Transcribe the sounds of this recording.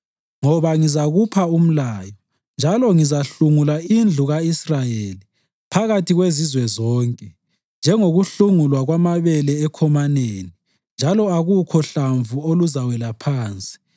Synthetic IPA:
ŋɔβaŋizaɣupʰaum̩laːjɔ | nd͡ʒʱalɔŋizaɬuŋulaind͡ɮʱuɣaisrajeːli | pʰaɣatʰiɣwezizwɛzɔːŋkʼɛ | nd͡ʒʱɛŋoɣuɬuŋulwaɣwamaβɛlɛːkʰɔmaneːni | nd͡ʒʱalɔaɣukʰɔɬaɱvuoluzawɛlapʰaːnt͡sʼi̥

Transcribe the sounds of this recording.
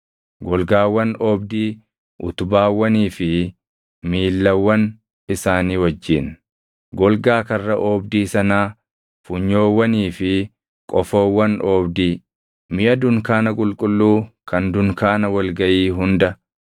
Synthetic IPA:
ɡɔlɡaːwːɐnɔːbd̪iː | ʔʊ̰t̪ʊbaːwːɐniːfɪ | miːlːɐwːɐn | ɪsaːniːwɐd͡ʒːɪn | ɡɔlɡaːkɐrːɐʔɔːbd̪iːsɐnaː | fʊɲːo̞ːwːɐniːfɪ | kʼɔfoːwːɐnɔːbd̪iː | mɪʔɐd̪ʊŋkaːnɐkʼʊlkʼʊlːuːkɐnd̪ʊŋkaːnɐwɐlɡɐʔiːɦʊnd̪ɐ

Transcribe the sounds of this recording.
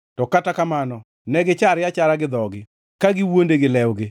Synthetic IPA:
tɔkatakamanɔ | nɛɡɪt͡ʃaɾjat͡ʃaɾaɡɪd̪ɔɡɪ | kaɡɪwondeɡɪlɛwɡɪ

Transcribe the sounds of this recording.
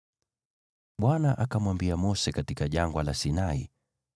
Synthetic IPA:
ɓwanaʔakamwambiamɔsɛkatikaʄaŋɡwalasinaḭ

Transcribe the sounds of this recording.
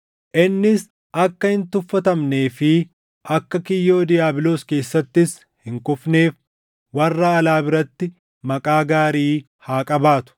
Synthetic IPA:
ʔɪnːɪs | ʔɐkːɐhɪnt̪ʊfːɐt̪ɐmne̞ːfɪ | ʔɐkːɐkɪjːo̞ːd̪ɪjaːbɪloːske̞ːsːɐt̪ːɪs | hɪŋkʊfne̞ːf | wɐrːaːɐlaːbɪɾɐt̪ːɪ | mɐkʼaːɡaːɾiː | haːkʼɐbaːt̪ʊ̥

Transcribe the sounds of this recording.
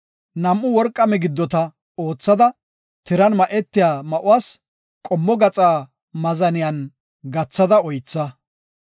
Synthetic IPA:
nɐmʔːʊwɔɾkʼːɐmɛɡɪd̪ːɔt̪ɐ | o̞ːt͡sːɐd̪ɐ | t̪ɪɾɐnmɐʔɛt̪ːɪjaːmɐʔʊwaːs | kʼɔmːɔɡɐt͡sʼaː | mɐzɐnɪjɐn | ɡɐt͡sːɐd̪ɐɔjt͡sːɐ

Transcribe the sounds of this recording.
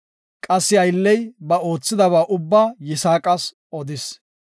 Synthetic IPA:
kʼɐsːɪɐjlːɛjbɐo̞ːt͡sːɪd̪ɐβaːʔʊbːaːjɪsaːkʼɐs | ʔɔd̪ɪs

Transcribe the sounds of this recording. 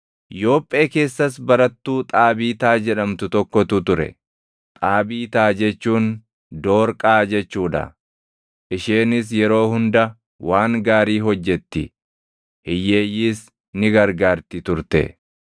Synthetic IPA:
jo̞ːpʼːe̞ːke̞ːsːɐsbɐɾɐt̪ːuːt̪ʼaːbiːt̪aːd͡ʒɛᶑɐmt̪ʊt̪ɔkːɔt̪ʊt̪ʊɾɛ̰ | t̪ʼaːbiːt̪aːd͡ʒɛt͡ʃːuːn | d̪o̞ːɾkʼaːd͡ʒɛt͡ʃːuːᶑɐ̰ | ʔɪʃeːnɪs̬jɛɾo̞ːhʊnd̪ɐ | waːŋɡaːɾiːɦɔd͡ʒːɛt̪ːɪ | hɪje̞ːjːiːs | nɪɡɐɾɡaːɾt̪ɪt̪ʊɾt̪ɛ̰

